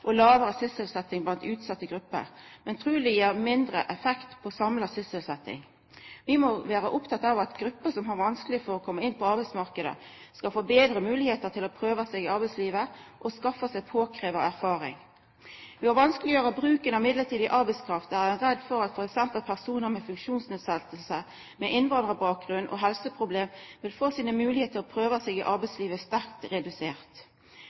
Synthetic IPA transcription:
ʔɔlɑːʋəɾəsɪsəlsɛt̪ːɪŋblɑnt̪ʉːt̪sɑt̪ːəɡɾʉpːə̰ɾmɛnt̪ʰʁʉːlɪjiːʁmɪnd̪ɾəʔɛfɛkt̪pʰɔsɑmlɑsɪsəlsɛt̪ːɪ̰ŋ | ʋɪmɔʋæːɾəʔʊpt̪ʰɑt̪ːɑʋɑt̪ɡɾʉpːəsɔmɦɑɾʋɑnskəlɪfɔɾɔkʰɔmːəɪnːpʰɔɑʁbæɪt̪smɑʁkəd̪ə̰ | skɑlfoːbeːd̪ɾəmʉːlɪheːt̪ət̪ʰɪlɔpʰɾøːʋəsɛːɡɪɑɾbæɪsliːʋəʔɔskɑfəsæɪpʰoːkʰʁeːʋɑæʁfɑːʁɪ̰ŋ | ʋɪhɑʁʋɑnskəlɪjøːʁɑbʁʉːkənəɪmɪd̪ləʁt̪iːd̪ɪʔɑɾbæɪskʰʁɑft̪æɛnʁɛd̪ːfɔɾɑt̪fɔʁɛksɛmpəlpʰæʁsuːnəʁmɛfʉŋkʃuːnsneːd̪sɛlt̪əlsə | mɛʔɪnʋɑnd̪ʁəbɑːk̚ɡʁʉnːʔɔ̰ɦɛlsəpʰʁʊbleːmʋɪlfoːsiːnəmʉːlɪheːt̪ʰəʁɔpʰʁøːʋəsɛːɡɪʔɑʁbæɪsliːʋəst̪æʁkt̪ʁɛd̪ʉseːʁt̪

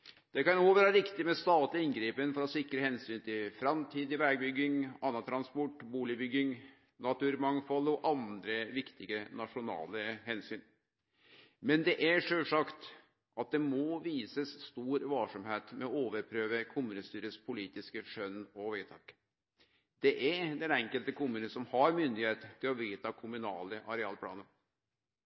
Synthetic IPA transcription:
d̪̥ɛkɑnoʋɛɾɾɪkt̪ɪmɛst̪ɑːt̪lɪɪnɡɾiːpənfɔɾɔsɪkɾəhɛnsyːnt̪ʰɪlfɾɑmt̪ʰiːd̪ɪʋæɡ̚bʏɡɪŋɑnːɑt̪ʰɾɑnspɔʈːbuːlɪbʏɡːɪŋ | nɑt̪ʉːɾmɑŋfɔlɔʔɑnd̪ɾəʋɪkt̪ɪɡənɑʂʊnɑ̰ːləhɛnsyːn | mɛnd̪ɛʔæʂøːlʂɑkt̪ | ʔɑt̪̚d̪ɛmɔʋiːsəsst̪uːɾʋɑːʂɔmheːt̪mɛɔoːʋəɾpʰɾøːʋəkʰʊmʉːnəst̪yːɾəspʰʊliːt̪ɪskəʂœnɔʋæt̪ʰɑːk | d̪̥ɛʔæɾd̪ɛnɛŋkəlt̪əkʊmːʉːnəsɔmhɑɾmʏnd̪ɪheːt̪t̪ʰːɪlɔʋiːt̪ʰɑkʰʊmʉnɑːləʔɑɾɛɑ̰ːlpʰlɑ̰ːnən

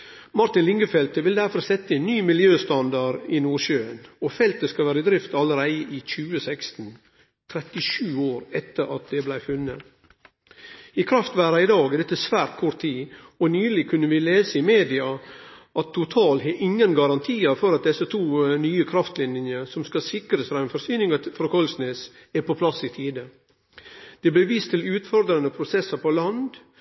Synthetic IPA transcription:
mɑɾt̪ɪnlɪŋɡəfɛlt̪əʋɪld̪æɾfɔɾsɛt̪ːəɛnːyːmɪljøːst̪ɑnd̪ɑɾɪnuːɾʃøːənɔfɛlt̪əskɑʋæːɾəd̪ɾɪft̪ɑləɾæɪəʔɪçʉːəsækst̪n̩ | t̪ʰɾɛt̪ɪʃʉːoːɾɛt̪ːəɾɑt̪̚d̪ɛblæɪfʉnːə̰ | ɪkʰɾɑft̪ʋæːɾɑɪd̪ɑːɡəd̪ɛt̪ːəsʋæːɾt̪̚kʰɔɾt̪ʰːiːɔnyːlɪkʰʉnːəʋɪleːsəɪmeːd̪ɪɑʔɑt̪ʰːʊt̪ʰɑːlɦɛʔɪŋːənɡɑɾɑnt̪ʰiːɑfɔɾɑt̪̚d̪ɛsːət̪ʰuːnyːəkʰɾɑft̪lɪnənjəsɔmskɑsɪkɾəsfɾɑːɛnfɔɾsyːnɪŋɑfɾɑːkʰɔlsneːs | æpʰɔpʰlɑsɪt̪ʰiːd̪ə | d̪̥ɛblæʋiːst̪ʰɪlʉːt̪fɔɾd̪ɾɑnəpʰɾʊsɛsːɑɾpʰɔlɑnd̪

